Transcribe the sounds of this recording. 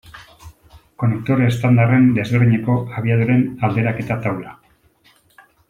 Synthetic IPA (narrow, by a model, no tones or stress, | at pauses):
ko̞nek̚t̪oɾaest̪and̪are̞nd̪e̞zβeɾðiɲe̞ko̞aβ̞iað̞uɾe̞nald̪e̞ɾake̞t̪at̪awla